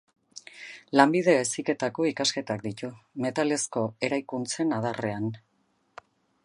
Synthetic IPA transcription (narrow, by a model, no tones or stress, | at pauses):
lambið̞e̞esike̞t̪ako̞ikaske̞t̪ak̚d̪it̪ume̞t̪ale̞sko̞e̞ɾajkunt͡se̞nað̞are̞an